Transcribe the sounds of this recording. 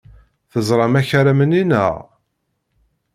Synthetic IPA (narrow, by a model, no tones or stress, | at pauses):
θəzˤɾˤɑmæçəɾæməninə̰ʁ